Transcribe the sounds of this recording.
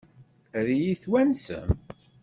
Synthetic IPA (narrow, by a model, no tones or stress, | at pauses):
ðijiθwænsə̰m